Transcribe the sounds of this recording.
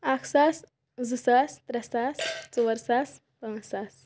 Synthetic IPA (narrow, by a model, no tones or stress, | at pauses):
akʰsaːs | zɨsast̪ɾɐsaːst͡suʋəɾsaːs | pɐ̃ŋsaːs